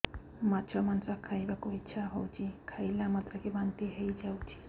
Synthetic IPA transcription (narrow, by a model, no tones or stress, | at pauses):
mat͡ʃʰɔmansakʰajbakoitːt͡ʃʰaɦowt͡ʃʰikʰajlamat̪ɾakebant̪iɦejd͡ʒawt͡ʃʰi̥